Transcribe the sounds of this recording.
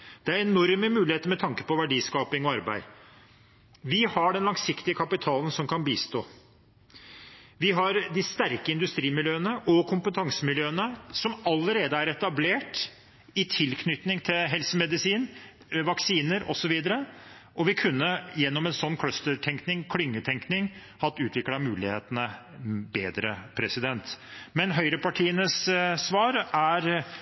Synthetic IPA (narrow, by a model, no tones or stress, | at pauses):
d̪̥ɛæɾɛnɔɾməmʉːlɪheːt̪əɾmɛt̪ʰɑŋkə̥pɔʋæɖiːskɑːpɪŋɔɑɾbæ̰ɪ | ʋɪhɑɖɛnlɑŋsɪkt̪ɪəkʰɑpɪt̪ʰɑːlən̩sɔmkʰɑnbiːst̪oː | ʋɪɦɑɾd̪ɪst̪æɾkəɪnd̪ʉst̪ɾiːmɪljøːnəʔɔkʰʊmpət̪ʰɑŋsəmɪljøːənəsɔmɑlːəɾeːd̪əæɾɛt̪ɑbleːʈ | ɪt̪ʰɪlkʰnʏt̪nɪŋt̪ʰɪlɦɛlsəmɛd̪ɪsiːn | ʋɑksiːnəɾʔɔsɔʋiːd̪əɾəʔɔʋɪkʰʉnːəjɛnːɔmɛnsɔnːkʰlœst̪əʈ̪ʰɛŋknɪŋkʰlʏŋːət̪ʰɛŋknɪŋ | hɑt̪ːʉːt̪ʋɪklɑmʉːlɪheːt̪ənə | beːd̪ɾəpʰɾɛsɪd̪ɛnt̪mɛnɦœʏɾəpɑʈʰiːənəsːʋɑːɾæɾ